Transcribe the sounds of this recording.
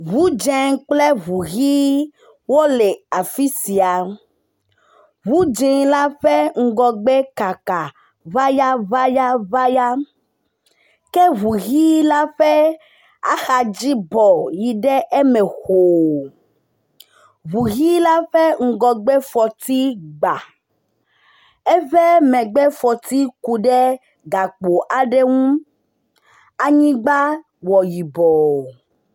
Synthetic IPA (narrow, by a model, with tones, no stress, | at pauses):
βu˦d͡ʒɛ˦ŋk͡plɛ˦βu˨ɣi˦ | wo˦le˨a˨fi˦si˨a˨ | vu˦d͡ʒi˦ŋla˦ɸɛ˦ŋ̩˦ɡɔ˨ɡ͡be˦ka˨ka˨ | va˦ja˦va˦ja˦va˦ja˦ | ke˦βu˨ɣi˦la˦ɸɛ˦ | a̰˦xa˨d͡ʒi˦bɔ˨ji˨ɖɛ˦ʔe˦mɛ˨xo˨ | βu˨ɣi˦la˦ɸɛ˦ŋ̩˨ɡɔ˨ɡ͡bɛ˦fɔ˨t̪i˦ɡ͡ba˨ | ɛ˦vɛ˦mɛ̃˨ɡ͡bɛ˦fɔ˨t̪i˦ku˨ɖɛ˦ | ɡa˨k͡po˨ʔa˨ɖɛ˦ŋũ˦ | a˨ɲĩ˦ɡ͡ba˦ | wɔ˨ji˨bɔ˨